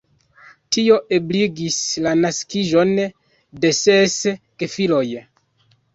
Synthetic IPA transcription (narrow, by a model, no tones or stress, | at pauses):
tio̞ʔe̞bliɡislanaskiʒo̞n | de̞seskefilo̞j